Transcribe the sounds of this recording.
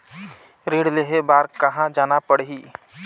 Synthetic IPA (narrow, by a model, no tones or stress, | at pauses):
ɾeːɽleɦebaːɾkɐɦãd͡ʒaːnapəɽɦiː